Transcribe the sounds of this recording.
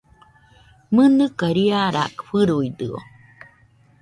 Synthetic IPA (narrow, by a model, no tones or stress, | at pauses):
mənɨkaɾiaɾa̰kɸɨɾuid̪ɯo̰